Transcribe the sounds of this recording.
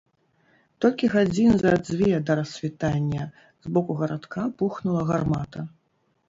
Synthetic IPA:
t̪ɔlʲkʲiɣad͡zʲinzɐd̪zʲvʲɛd̪ɐɾɐsʲvʲit̪anʲːɐ | zbɔkuɣɐɾat̪kʰapuxnulˠɐɣarmat̪ɐ

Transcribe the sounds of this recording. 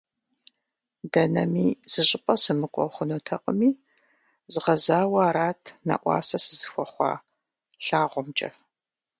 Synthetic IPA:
dɐnɐmiːz̥ɨɕʼɪpʼɐsɨmɨkʷʼɔ̰χʷʊnuːtʰɐqʼəmiː | zɨʁɐzaːwɐːɾaːtʰnɐ̰ʔʷɑ̰ːsɐsɨzɨxʷɔχʷɑ̰ː | ɬaːʁʷʊmt͡ʃʼɐ̰

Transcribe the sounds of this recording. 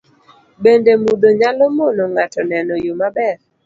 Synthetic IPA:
bendemud̪oɲalɔmɔnɔŋatɔnɛnɔjomabɛr

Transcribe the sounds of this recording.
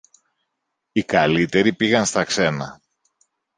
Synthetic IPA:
ikɐlit̪e̞ɾipiɣɐnst̪ɐkse̞nɐ

